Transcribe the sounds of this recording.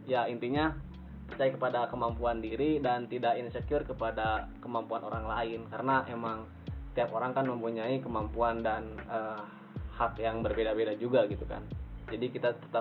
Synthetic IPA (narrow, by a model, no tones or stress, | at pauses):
jaint̪iɲa | pərt͡ʃajkəpadakəmampuandiɾidant̪idakinsəkjʊrkəpadakəmampuano̰ɾaŋlaɪnkaɾənaʔemaŋ | t̪iakoɾaŋkanməmpuɲaikəmampuandanə | hakjaŋbərbedabedad͡ʒuɡaɡit̪uka̰nd͡ʒadikit̪at̪ə̥t̪a